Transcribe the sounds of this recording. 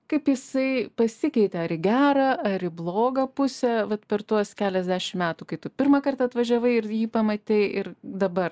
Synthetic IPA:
kɐɪpjɪsɐɪpɐsʲɪkʲɛɪt̪ʲɛɐɾɪɡʲæːɾɐɐɾɪblˠoːɡɐpʊsʲɛʋɐt̪pʲɛrt̪uɔskʲæːlʲɛzʲd̪ʲæːʃʲɪmmʲæːt̪uːkɐɪt̪ʊpʲɪrmɐkɐrt̪ɐɐt̪ʋɐʒʲɛʋɐɪɪrjiːpɐmɐt̪ʲɛɪʔɪɾd̪ɐbɐr

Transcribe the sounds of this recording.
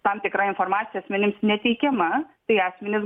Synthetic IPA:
t̪amt̪ʲɪkɾaːɪnfoɾmaːt̪sʲijɐsʲmʲɛnʲɪmsnʲɛt̪ʲiːkʲemɐt̪ɐɪaːsʲmʲɛnʲɪs

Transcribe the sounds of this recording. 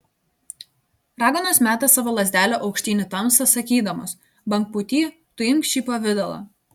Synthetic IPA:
ɾɑːɡɐnoːsmʲæːt̪ɐsɑːʋoːlˠɐzʲd̪ʲæːlʲoːʔɒʊkʃʲt̪ʲiːnʲɪt̪ɐmsɐsɐkʲiːd̪ɐmo̰ːs | bɐŋk̚pʊt̪ʲiː | t̪ʊɪmkʃʲiːpɐʋʲɪd̪ʲɛlˠɐ̰

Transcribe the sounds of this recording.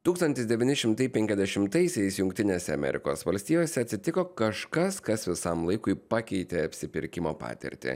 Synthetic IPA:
t̪uːkst̪ɐnt̪ʲɪsd̪ʲɛʋʲɪːnʲɪʃʲɪmt̪ɐɪpʲɛŋʲkʲɛzd̪ʲɛʃʲɪmt̪ɐɪsʲɛɪsjʊŋkt̪ʲɪnʲeːsʲɛɐ̰mʲɛ̰ɾʲɪ̰ko̰ːsʋɐlʲsʲt̪ʲiːjoːsʲɛɐt̪ʲsʲɪt̪ʲɪkoːkɐʃkɐskɐsʋʲɪsɐmlˠɐɪkʊɪpɑːkʲɛɪt̪ʲeɐpʲsʲɪpʲɪɾʲkʲɪmoːpɑ̰ːt̪ʲɛ̰ɾʲt̪ʲɪ̰

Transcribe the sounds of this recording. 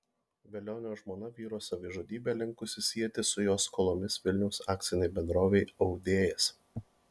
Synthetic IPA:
ʋʲɛlʲoːnʲoːʒmoːnɐʋʲiːɾoːsɐʋʲɪʒoːd̪ʲiːbʲeːlʲɪŋkʊsʲɪsʲiɛt̪ʲɪsʊjoːskoːlˠoːmʲɪsʋʲɪlʲnʲɛʊsɑːk̚t̪sʲɪnʲɛɪbʲɛnd̪ɾoːʋʲɛɪɐʊd̪ʲeːjɛs

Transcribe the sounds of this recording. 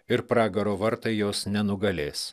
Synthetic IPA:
ɪɾpɾɑːɡɐɾoːʋɐɾt̪ɐɪjoːsnʲɛnʊɡɐlʲeːs

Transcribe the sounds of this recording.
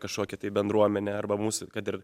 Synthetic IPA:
kɐʃkoːkʲɛt̪ɐɪbʲɛnd̪ɾuɔmʲɛnʲɛɐrbɐmuːsʊkɐt̪ɪr

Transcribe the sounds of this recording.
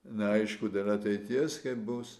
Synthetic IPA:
nʲɛɐɪʃkʊd̪ʲelʲˠɐt̪ʲɛɪt̪ʲiɛskɐɪpbʊs

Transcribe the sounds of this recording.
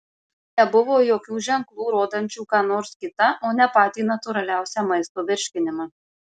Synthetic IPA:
nʲɛbʊʋoːjoːkʲuːʒʲɛŋklˠuːɾoːd̪ɐnʲt͡ʃʲuːkɑːnoːɾskʲɪt̪ɐʔoːnʲɛpɑːt̪ʲiːnɐt̪ʊɾɐlʲæˑʊsʲɛmɐɪst̪oːʋʲɪɾʲʃʲkʲɪnʲɪmɑ

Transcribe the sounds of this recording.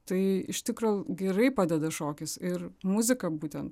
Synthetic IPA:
t̪ɐɪɪ̰ʃt̪ʲɪkɾoːɡʲɛɾɐɪpɑːd̪ʲɛd̪ɐʃoːkʲɪsɪrmʊzʲɪkɐbuːt̪ʲɛnt̪

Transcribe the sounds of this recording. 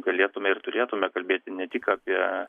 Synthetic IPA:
ɡɐlʲeːt̪ʊmʲɛɪrt̪ʊɾʲeːt̪ʊmʲɛkɐlʲbʲeːt̪ʲɪnʲɛt̪ʲɪkaːpʲiɛ

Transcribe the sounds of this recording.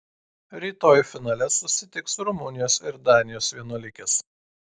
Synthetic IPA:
ɾʲiːt̪oːjfʲɪnɑːlʲɛsʊsʲɪt̪ʲɪksʊɾʊmʊnʲɪjoːsɪɾd̪ɑːnʲɪjoːsʋʲiɛnuɔlʲɪkʲɛs

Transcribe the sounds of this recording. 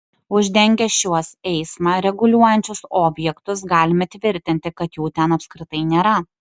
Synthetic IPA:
ʊʒʲd̪ʲɛŋʲɡʲɛʃʲuɔsɛɪsmɑːɾʲɛɡʊlʲuɔjɛnʲt͡ʃʲʊsoːbʲjɛkt̪ʊsɡɑːlʲɪmɐt̪ʲʋʲɪɾʲt̪ʲɪnʲt̪ʲɪkɐt̪juːt̪ʲɛnɐpskɾʲɪt̪ɐɪnʲeːɾɐ

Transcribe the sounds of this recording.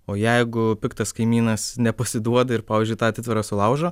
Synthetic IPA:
oːjɛɪɡʊpʲɪkt̪ɐskɐɪmʲiːnɐsnʲɛpɐsʲɪd̪uɔd̪ɐɪɾpɑːʋʲiːzʲd͡ʒʲʊɪt̪ɑːɐt̪ʲɪt̪ʋʲɪɾɑsʊlˠɐʊʒoː

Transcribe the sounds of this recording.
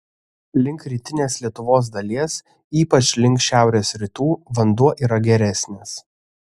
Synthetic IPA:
lʲɪŋkɾʲiːt̪ʲɪnʲeːslʲiɛt̪ʊʋoːs̬d̪ɐlʲiɛs | iːpɐt͡ʃʲlʲɪŋʲkʃʲæˑʊɾʲeːsɾʲɪt̪uːʋɐnd̪uɔʔiːɾɐɡʲɛɾʲɛsʲnʲeːs

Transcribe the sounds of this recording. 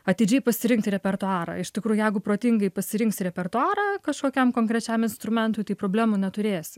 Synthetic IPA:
ɐt̪ʲɪd͡ʒʲɛɪpɐsʲɪɾʲɪŋksɾʲɛpʲɛrt̪ʊɑːɾɐ̰ːɪʃʲt̪ʲɪkɾuːjʊjɛɪɡʊpɾoːt̪ʲɪŋɡɐɪpɐsʲɪɾʲɪŋksɾʲɛpʲɛrt̪ʊɑːɾɐkɐʃkoːkʲɛmkoːŋkɾʲɛt͡ʃʲæmɪnst̪ɾʊmʲɛnt̪ʊɪt̪ɐɪpɾoːbʲlʲæːmʊnʲɛt̪ʊɾʲeːsʲɪ

